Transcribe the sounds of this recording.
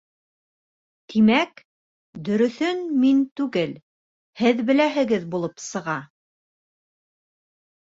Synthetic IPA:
t̪ʰimæk | d̪ɵ̆ɾɵ̆θɵnmint̪ʉɡɘl | hɘðbɘ̆læɦɘ̆ɡɘðbulˠɤpsɤ̆ʁɑ

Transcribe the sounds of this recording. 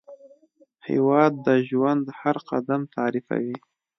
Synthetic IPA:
hɪ̰wɑd̪ːəʒwand̪haɾqa̰d̪amt̪ʰɑɾifa̰wi

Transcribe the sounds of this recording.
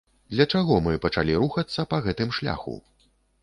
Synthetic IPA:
d̪lʲɐt͡ʂaɣɔmɨpɐt͡ʂalʲiɾuxɐt̪sːɐpɐɣɛt̪ɨmʂlʲa̰xṵ

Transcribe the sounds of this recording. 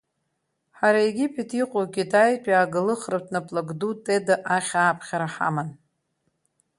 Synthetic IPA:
ħaɾaeɡʲipʰʼetʰiqʷʼoɡʲidʰajtʼaːɡɨlɨχratʰnapʼlaɡdutʼedaʔaχʲaːpʰχʲaɾaħa̰man

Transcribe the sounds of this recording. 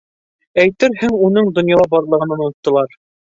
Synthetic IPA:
æjt̪ɘɾɦɘŋunɤɴd̪ŏnjɑlˠɑbɑɾlˠɤ̆ʁɤ̆nɤnuɤ̆t̪ːɤ̆lˠɑɾ

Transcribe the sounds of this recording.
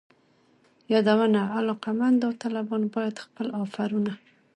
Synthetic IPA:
jɑd̪awənaalɑqamand̪awt̪ɑlabɑnobɑjad̪xpəlɑfaɾuna

